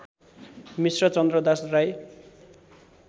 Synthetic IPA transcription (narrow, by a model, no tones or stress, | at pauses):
misrʌt͡sʌnd̪rʌd̪asraj